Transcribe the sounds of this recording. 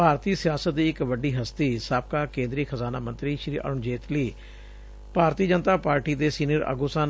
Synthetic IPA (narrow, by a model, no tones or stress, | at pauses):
bʱaːɾt̪iːsɪjaːsət̪̚d̪iːɪkʋəɖiːɦəst̪iːsaːb̚kaːkẽːnd̪ɾiːxʰəzaːnaːmə̃nt̪ɾiːʃɾiːʔə̰ɾʊɳd͡ʒeːt̪liː | paːɾt̪iːd͡ʒənt̪aːpaːɾʈiːd̪eːsiːnəɾə̰ɡoːsãːn